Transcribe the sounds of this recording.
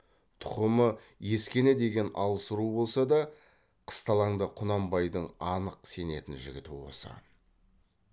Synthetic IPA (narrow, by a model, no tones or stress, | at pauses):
t̪ʰʊ̥qəmə | je̞skʲe̞ne̞d̪e̞ɡʲe̞nɑlˠəsəɾubo̞lˠsɑd̪ɑ | qʰə̥st̪ɑlˠɑɴd̪əqʰʊnɑmbɑjd̪əɴɑnəqse̞ne̞t̪ɪnʒɪɡʲɪt̪uwo̰sə̰